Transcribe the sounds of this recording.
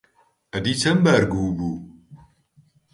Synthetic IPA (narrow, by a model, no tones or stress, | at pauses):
ɐdit͡ʃɐmbaɾɡubu